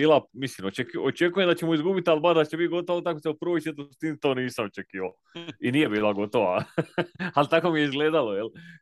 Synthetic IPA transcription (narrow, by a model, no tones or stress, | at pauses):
biːlˠamislimot͡ʃekiot͡ʃekujemd̪at͡ɕemuizɡubit̪albaʒd̪at͡ɕebit̪̚ɡo̞t̪oʋot̪akoseupr̩ʋojt͡ʃet̪ost̪init̪o̞ːniːsamot͡ʃekiːʋaoiniːje̞biːlˠaɡo̞t̪o̞ʋa̰ | alt̪ako̞mije̞izɡleːd̪alojel